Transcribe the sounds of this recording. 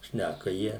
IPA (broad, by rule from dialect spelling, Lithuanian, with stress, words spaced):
ˈʃʲnʲækɐ ˈjiɛ